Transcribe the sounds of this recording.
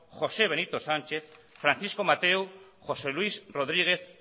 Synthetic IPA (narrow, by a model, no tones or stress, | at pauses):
xo̞se̞β̞e̞nit̪o̞sant͡ʃe̞θfɾanθisko̞mat̪ew | xo̞se̞lwisro̞ðɾiɣ̞eθ